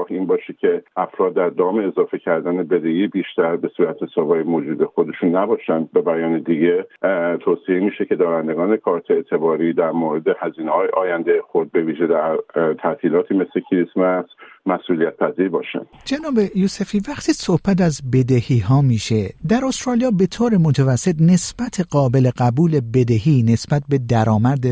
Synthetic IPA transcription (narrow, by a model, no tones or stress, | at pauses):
hʔiːnbɒːʃecʲʰe̞ʔæfɾɒːd̪ːæɾd̪ɒːmeːzɒːfe̞cʰæɾd̪ænebed̪ehiːbiːʃt̪æɾbe̞suːɾæt̪ʰesɒːbɒːjemoːd͡ʒuːd̪exod̪e̞ʃuːnːæbɒːʃænd̪̚be̞bæjɒːned̪iɟet̪ʰoːsiemiːʃece̞d̪ɒːɾænd̪eɡɒːnekʰɒːɾt̪ʰeet̪ʰe̞bɒːɾiːd̪æɾmoɾe̞d̪ehæziːnehɒːjḛʔɒːjænd̪ejexoɾd̪̚be̞viːʒe̞d̪æɾt̪ʰæt̪ʰiːlɒːt̪ʰiːme̞slecʰiɾismæsmæsʔuːlijæt̪̚pʰæziːɾbɒːʃæ̰nd̪̥d͡ʒenɒːbe̞juːsefiːvæχt̪ʰiːso̞hb̥æt̪æzbe̞d̪ehiːɦɒːmiːʃe̞d̪æɾo̞st̪ɾɒːlijɒːbe̞t̪ʰoːɾemot̪ʰævæsːe̞t̪ne̞sb̥æt̪ʰeɢɒːbe̞le̞ɢæbuːlebe̞d̪ehiːne̞sbæt̪̚ʰbe̞d̪æɾɒːmæɾd̪e